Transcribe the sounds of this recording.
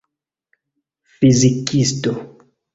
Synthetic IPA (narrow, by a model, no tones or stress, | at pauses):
fizikisto